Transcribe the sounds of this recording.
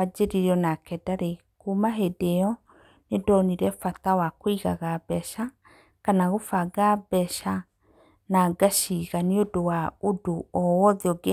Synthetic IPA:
ad͡ʒeɾiɾɔnakɛdaɾe | kumaɦedeɔ | nedɔniɾɛfatawakwiɣa̰ɣabɛʃa | kanaɣofaɡabɛʃa | naɡaʃiɣaniodowaodoɔwɔðeɔɡe

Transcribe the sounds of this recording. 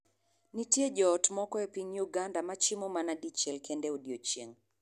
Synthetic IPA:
nitjed͡ʒɔːtmɔkɔɛpiɲjuɡandamat͡ʃimɔmanadit͡ʃɛlkɛndɛudiot͡ʃeŋ

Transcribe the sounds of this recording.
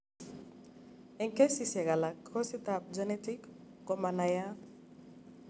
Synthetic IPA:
eŋkesisɛɣɡalakʰːɔsit̪ap̚d͡ʒɔnet̪ik | kɔmanaja

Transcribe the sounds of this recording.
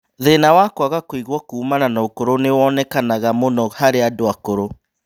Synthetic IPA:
ðenawakwaɣakoiɣwɔkuːmananaokoɾonewɔnɛkanaɣamonɔhaɾeadoakoɾo

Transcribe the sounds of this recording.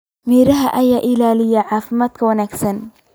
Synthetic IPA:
miːɾɐɦɐʔɐjaːʔɪlaːlɪjɐʕɑːfɪmaːd̪kʰɐwɐnaːɡsɐn

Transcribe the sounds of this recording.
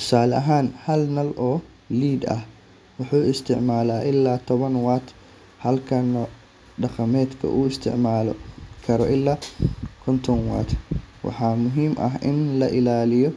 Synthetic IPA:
t̪ʰʊ̥saːlʔɐɦaːnhɐlnɐlʔɔː | liːd̪ɐ̰h | wʊħuːɪst̪ʰɪʕmaːlaːʔɪlːaːt̪ʰɔβɐnwaːt̪ | hɐlkʰɐnːɔ | ɖɐqɐmɛːd̪kʰɐ̰ʔuːɪst̪ʰɪ̰ʕmaːlɔ̰kʰɐɾɔʔɪlːaːkʰɔnt̪ʰɔnwa̰ːt̪ʰwɑ̰ħɑːmʊɦiːmʔɐ̰ɦʔɪnlɐʔɪlaːlɪjɔ

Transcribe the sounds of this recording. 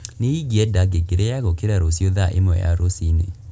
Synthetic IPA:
neiɡiɛdaɡeɡeɾejaɣokeɾaɾosioðaʔḛmwɛ̰ja̰ɾosinḛ

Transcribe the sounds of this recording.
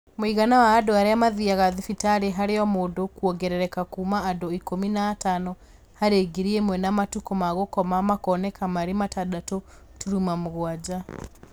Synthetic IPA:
moiɣanawaːdoaɾeamaðiaɣaðifitaɾeɦaɾeɔmoːdokwɔɡɛɾɛɾɛkakuːmaːdoikominaːtanɔ | haɾeɡiɾiemwɛnamatukɔmaɣokɔmamakɔnɛkamaɾematadato | tuɾumamoɣwad͡ʑa

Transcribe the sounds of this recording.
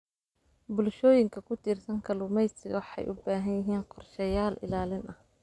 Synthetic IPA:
bʊlʃɔːjɪŋkʰɐkʰʊt̪ʰiːrsɐŋkʰɐlʊmɛjsɪɣħɑ̰jʔʊbaːɦɐnjɪɦiːnqɔrʃɛjaːlʔɪ̰laːlɪnɐh

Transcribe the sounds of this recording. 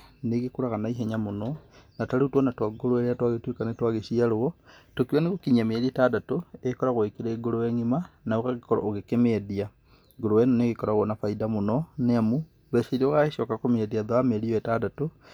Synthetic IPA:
neɣekuɾaɣanaiɦeɲamononataliutwɔnatwaɡoloeɾeatwaɣetwekanetwaɣesiaɾowotokiwaneɣokiɲameɾietadatoekoɾaɣoikiɾeɡoloweŋimanaokaɣikoɾa̰oɣekemeedia | ɡoɾowenoneɣekɔɾaɣonafaidamonɔneamu | βeseɾioɣaɣeʃokakomiediaðoameɾiwetadato

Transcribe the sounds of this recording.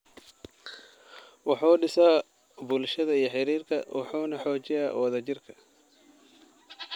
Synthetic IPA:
wɑħuːɖɪsaː | bʊlʃɐðɐijɞħɪɾiːrkʰɐ̰wʔɑ̰ħuːnɐħɔːt͡ʃɪjaːwɐðɐt͡ʃɪrkʰɐ

